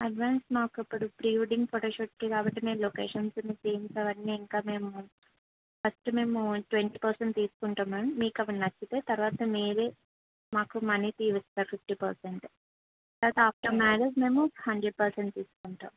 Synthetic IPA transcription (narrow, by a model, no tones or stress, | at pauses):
ɐɖʋaːnsmaːkuipːuɽupɾiːʋɖiŋɡpoːʈoːʃoːʈkikaːbɐʈːime̞ːmlokeːʂɐnsɐniseːmsɐʋɐnːiːŋkaːme̞ːmu | pɐsʈume̞ːmuʈʋeɳʈiːpɐɾseɳʈt̪iːsu̥kuɳʈaːmːɐnɐmmiːkɐʋɐnnɐt͡ʃːit̪eːt̪ɐɾʋaːt̪ɐmeːɾe | maːkumɐnit̪iːʋist̪aːɾpʰifʈiːpɐɾseɳʈ | t̪ɐɾʋaːt̪ɐaːp̚ʈɐɾmaːɖed͡ʒme̞ːmuhɐɳɖɾeɖ̚pɐɾseɳʈt̪iːsu̥kuɳʈa̰ːm